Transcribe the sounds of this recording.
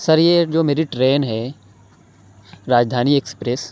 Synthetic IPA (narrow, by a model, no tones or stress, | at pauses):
sɐɾjed͡ʒoːmeːɾiʈɾeːnɦɛ | ɾaːd͡ʒd̪ʱaːniekspɾes